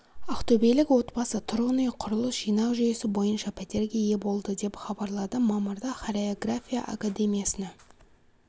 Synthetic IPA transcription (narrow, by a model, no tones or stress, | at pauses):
ɑqt̪ʰɵbejlɪkwo̞t̪bɑsət̪ʰʊɾonijqʰʊɾʊlˠəsʒ̥ijnɑwʒʏje̞sɪbo̞jənʃɑpʲʰæt̪e̞ɾɡʲe̞je̞bo̞lˠd̪əd̪e̞pχɑbɑɾlˠɑd̪əmɑməɾd̪ɑχaɾeoɡrafʲija̰ʔa̰kad̪e̞mʲijasənɑ